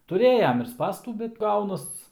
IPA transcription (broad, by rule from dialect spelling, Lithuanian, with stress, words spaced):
tʊˈrʲeːjɛm ɪr ˈspɑːstuː bʲɛt ˈɡɐʊnɐs